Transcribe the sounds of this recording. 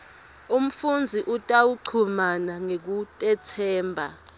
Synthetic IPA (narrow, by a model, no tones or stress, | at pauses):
um̩fund͡zʱiʔutʼawuǀʰumanaŋek̬utʼɛt͡sʰɛːmbʱa